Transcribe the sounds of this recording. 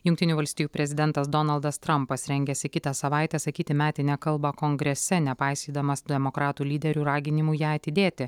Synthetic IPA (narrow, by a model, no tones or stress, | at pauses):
jʊŋkt̪ʲɪnʲuːʋɐlʲsʲt̪ʲijuːpʲɾʲɛzʲɪd̪ʲɛnˑt̪ɐsd̪ɔnɐlˠd̪ɐst̪ɾɐmpɐsɾʲɛŋʲɡʲɛsʲɪkʲɪt̪ɐsɐʋɑˑɪt̪ʲɛsɐkʲiːt̪ʲɪmʲæːt̪ʲɪnʲɛkɐlˠbɐkoŋɡɾʲɛsʲɛnʲɛpɑɪsʲiːd̪ɐmɐsd̪ʲɛmokɾɑːt̪uːlʲiːd̪ʲɛɾʲuːɾɑːɡʲɪnʲɪmujæːɐt̪ʲɪd̪ʲeːt̪ʲɪ